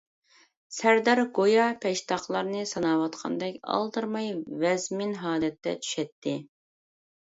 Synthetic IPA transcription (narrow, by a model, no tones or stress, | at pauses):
sæɾd̪æɾɡojɑpʰɛʃt̪ʰɑχlˠɑɾnɨsɑnɑwɑt̪qʰɑ̰nd̪ɛkʲɑ̰lˠd̪ɨɾmɑjvɛzmɪnɦɑːd̪ɛt̪ːɛ̰t͡ʃʰy̥ʃɛt̪ʰːɪ